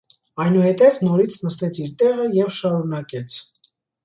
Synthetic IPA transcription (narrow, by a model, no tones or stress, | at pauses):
ɑjnuhɛt̪ɛvnɔɾit͡sʰnəst̪ɛt͡sʰiɾt̪ɛʁəjɛvʃɑɾunɑkɛt͡sʰ